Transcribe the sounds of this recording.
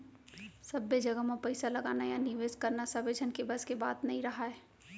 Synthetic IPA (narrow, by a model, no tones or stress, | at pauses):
sɐbːed͡ʒɐɡəmapɐɪsalɐɡaːnajanɪʋeːskɐɾnasɐbed͡ʒʱənkebɐskebaːt̪nɐɦĩɾɐɦaɦɛː